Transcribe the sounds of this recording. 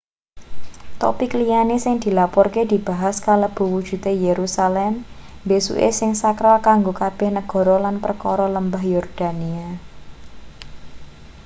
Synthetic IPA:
t̪ɔ̰piklijanesɪŋd̪̥i̤lapɔrked̪̥i̤b̥a̤ɦaskaləb̥ṳwud̥ʒ̥ṳt̪ejeɾusalɛm | besṵʔḛsɪŋsakɾalkaŋɡokab̥ɛ̤hnəɡ̥ɔ̤ɾɔlanpərkɔɾɔləmbahjɔrd̪̥a̤nia

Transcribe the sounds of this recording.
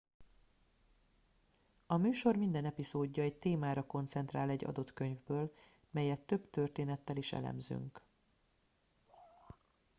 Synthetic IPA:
ɒmyːʃo̞rmind̪ɛnɛpizoːɟːɒɛc̚t̪eːmaːɾɒko̞nt̪sɛnt̪raːlɛɟːɒ̰d̪o̞t̪kø̞ɲvbøːl | mɛjɛt̪ːø̞bt̪ørt̪eːnɛt̪ːɛliʃɛ̰lɛ̰mzy̰ŋk

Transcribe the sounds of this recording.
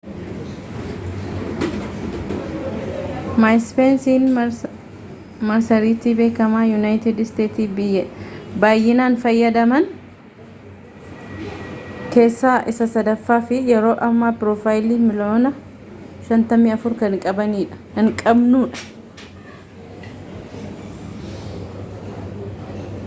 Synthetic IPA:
majspeːnsiːn | mɐɾsɐɾiːt̪ːibe̞ːkɐmaːjʊnaːjt̪ɪd̪ɪst̪eːt̪iːbɪjːɐbaːjːɪnaːnfɐjːɐd̪ɐmɐn | ke̞ːsːaːʔɪsɐsɐd̪ɐfːaːfɪjɛɾo̞ːʔɐmːaːpɪɾɔfaːjɪliːmɪloːnɐ | ʃɐnt̪ɐmiːɐfʊɾkɐŋkʼɐbɐniːᶑɐ̥ | ɐŋkʼɐbnuːᶑɐ̥

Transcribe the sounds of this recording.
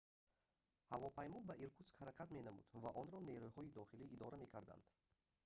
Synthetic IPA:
havɔpʰajmɔbaʔiɾkʰut̪skhaɾaqʰat̪menamṵd̪vaʔɔnɾɔneɾujhɔid̪ɔχiliʔːd̪ɔɾame̞kʰaɾd̪a̰nd̪̥

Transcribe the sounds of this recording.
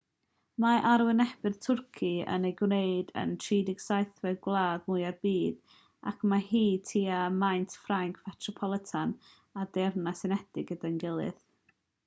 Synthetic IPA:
maʔaɾwɪnɛb̥ɨðtʰʊrkʰiə̰nejɡwneɨdə̰ntʰriːdɪɡ̥sajθwɛɡwlˠaːdmuɨarbiːd̥ | a̰kʰmahiːtʰiːamajntfraŋkʰmɛtʰrɔpʰɔlˠɪtʰan | adɛrnasɪnɛdɪɡədanɡɪlˠɨ̰ð

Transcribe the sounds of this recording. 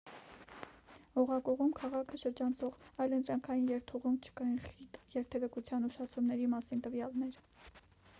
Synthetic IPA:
ɔʁɑkɔʁumkʰɑʁɑkʰəʃəɾd͡ʒɑnt͡sʰɔʁɑjlənt̪ɾɑŋkʰɑjinjɛɾt̪ʰuʁumt͡ʃʰə̥kɑiχit̪jɛɾt̪ʰɛvɛkut͡sʰjɑnuʃɑt͡sʰumnɛɾimɑsint̪əvjɑlnɛɾ

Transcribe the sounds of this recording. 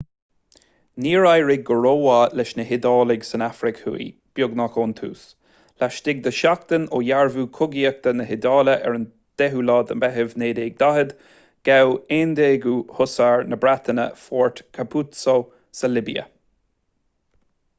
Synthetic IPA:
niːɹajɹɪɡːəɹoːwalɪʃnəɦɪd̪ɑːlɪɡsənafɾɪkhṵḭb̥jʊɡnakoːnt̪ʰṵːs | laʃt̪ɪɡ̚d̪əʃakt̪ənoːjaɹvuːkʰʊɡiək̚t̪ənəɦɪd̪ɑːləʔɛ̰ɹən | d̪̥ɛɦulɑːd̪əmbɛɦɪvneːd̪eːɡ̚d̪aɦəd̪ | ɡ̥aweːnd̪eːɡuhʊsaːɹnəbɾat̪ənə̰fɔːɹtkʰapʰut̪so | səlɪbḭə̰

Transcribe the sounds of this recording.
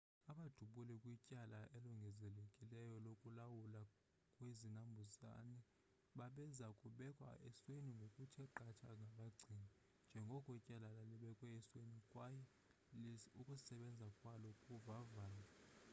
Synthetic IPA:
aɓad̥ʱuɓulɛkʼwicʼalaʔeluŋɡʱɛzɛlekʼilɛjɔlokʼulawula | kʼwezinambʱuza̰nɛ | ɓaɓɛzakʼuɓɛkʼwa̰ʔɛ̰sweniŋɡʱokʼutʰiɛǃatʰaŋɡʱaɓaɡ͡ǀʱiːni | nd͡ʒʱɛŋɡʱɔkʼɔicʼalalaliɓɛkʼwɛɛswenikʼwajɛ | ukʼusɛɓɛnd͡zʱakʼwalɔkʼuvavaːla

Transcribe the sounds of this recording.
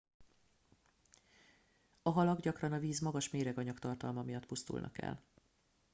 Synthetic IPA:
ɒɦɒlɒɡɟɒkrɒnɒviːzmɒɡɒʃmeːɾɛɡɒɲɒkt̪ɒrt̪ɒlmɒmijɒt̪pust̪ṵlnʔɒ̰kɛ̰l

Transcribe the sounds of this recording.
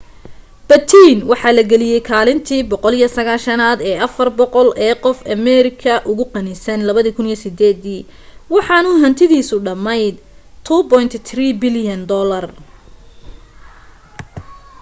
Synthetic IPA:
b̥ɐt̪ʰiːnwɑħɑːlɐɡɛlɪjɛjkʰaːlɪnt̪ʰiːbɔqɔlijɐsɐɣaːlʃɐnaːd̪ɛːʔɐfɐrbɔqɔlɛːqɔfɐmɛɾɪkʰɐʔʊɣʊqɑnɪsɐnlɐβɐðiːkʰʊnijɔsɪd̪ɛːd̪iː | wɑħɑnʊɦɐnt̪ʰɪðiːsʊɖɐmɛjt̪ʰuːbɔjnt̪ʰt̪riːbɪljɐnd̪ɔlɐr

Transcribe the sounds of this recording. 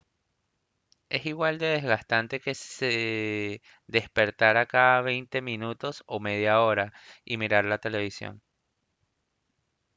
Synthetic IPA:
e̞siɣwald̪e̞ðe̞zɣast̪ant̪e̞ke̞sse | ðe̞spe̞ɾt̪aɾakaðaβe̞jnt̪e̞mĩnut̪o̞so̞me̞ð̞jao̞ɾaimiɾaɾlat̪e̞le̞βisjo̰n

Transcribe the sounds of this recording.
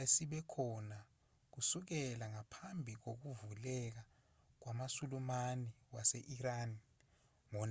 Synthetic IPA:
esiɓɛkʰɔna | k̬usuk̬ɛlaŋapʰambʱik̬ok̬uvulɛk̬a | k̬wamasulumaniwaseʔirani | ŋɔn

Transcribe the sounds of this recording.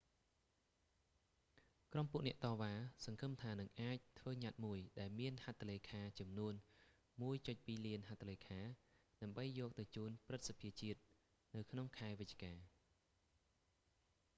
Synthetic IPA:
krompŭəʔnɛ̆əʔt̪ɑːʋaːsɑŋkʰɨmt̪ʰaːnɨŋʔaːc̚t̪ʰʋəːɲat̪̚muəjɗaɛlmiənhat̪ʰːaleːkʰaːt͡ɕɑmnuən | muəjt͡ɕoc̚piːliənɦat̪ʰːaleːkʰaːɗaəmɓəjːɔːk̚t̪ɨwt͡ɕuːnprɨt̪̚sapʰiət͡ɕiət̪̚ | nɨwkʰnoŋkʰaɛʋɨc̚t͡ɕkaː

